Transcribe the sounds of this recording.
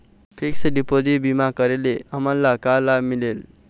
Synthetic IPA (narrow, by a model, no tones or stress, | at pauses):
pʰiksʌɖipod̪ibimakʌɾeleʌmʌlːakalamilel